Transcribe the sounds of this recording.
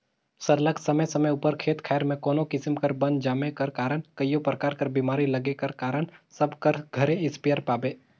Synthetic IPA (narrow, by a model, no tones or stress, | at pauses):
sɐɾləksɐməjsɐməjʊpəɾkʰeːt̪kʰɛːɾmẽkɔːnõkɪsɪmkɐɾbɐ̃nd̪d͡ʒaːmekɐɾkaːɾəɽ̃kəijopɾəkaːɾkɐɾbimaːɾilɐɡekɐɾkaːɾəɽ̃sɐbkɐɾɡʱɐɾeɪspijəɾpaːbeː